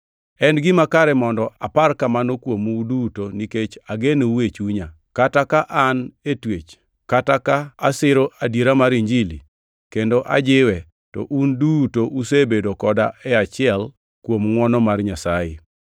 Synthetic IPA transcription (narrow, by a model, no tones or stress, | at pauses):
ɛnɡɪmakaɾɛmɔndɔʔaparkamanokwomudutoniket͡ʃaɡeneuwet͡ʃuɲa | katakaʔanetwet͡ʃ | katakaːsɪɾoʔadiɾamaɾiɲd͡ʒili | kendoʔa̰d͡ʒɪwɛ | tɔ̰ʔundutoʔusebedokɔdaɛat͡ʃɪɛl | kwomŋwɔnɔmarɲasajɪ